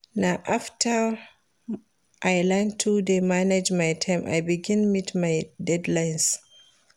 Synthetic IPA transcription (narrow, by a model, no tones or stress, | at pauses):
naʔaftʰa | ʔajlantʰudemanɛd͡ʒmajtʰajmʔa̰jbiɡĩnmitmajdɛdlajns